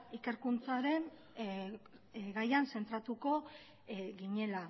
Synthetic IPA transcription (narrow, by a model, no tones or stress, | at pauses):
ike̞ɾkunt͡saɾe̞n | ɡajanse̞nt̪ɾat̪uko̞ | ɡiɲe̞la